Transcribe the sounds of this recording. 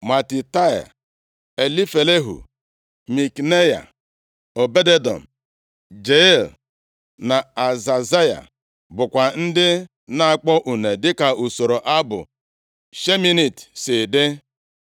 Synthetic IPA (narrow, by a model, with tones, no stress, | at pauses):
ma˨ti˨ta˦ja̰˨ | e˨li˦fe˨le˦ɦṵ˨ | mi˨kne˦ja̰˨ | o˨be˦de˦dɔ̰˨m̩˨ | d͡ʒe˦i˦˨l | na˨a˨za˨za˦ja̰˨ | bʊ˨kʷa˨n̩˦dɪ˦ | na˦a˨k͡pɔ˦ʔu˨ne˨dɪ˦ka˨u˨so˨ɾo˨ʔa˦bʊ̰˨ | ʃe˦mi˦ni˨tsɪ˨dɪ˦